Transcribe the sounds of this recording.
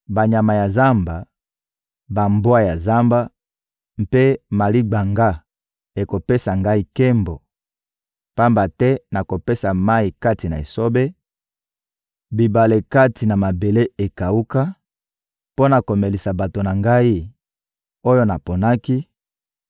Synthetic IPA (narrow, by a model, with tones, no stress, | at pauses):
ba˨ɲa˨ma˨ja˨za˦mba˨ | ba˨mbwa˦ja˨za˦mba˦ | m˦pe˦ma˨li˦ɡ͡ba˨ŋɡa˦ | e˨ko˨pe˦sa˨ŋɡa˦i˦ke˦mbo˨ | pa˦mba˨tɛ˦na˨ko˨pe˦sa˨ma˦i˨ka˦ti˨na̰˨ḛ˨so˦be˦ | bi˨ba˨le˨ka˦ti˨na˨ma˨be˨le˦e˨ka˨u˦ka˦ | po˦na˨ko˨me˨li˨sa˨ba˨to˨na˨ŋɡa˦i˦ | o˦jo˦na˨po˨na˦ki˦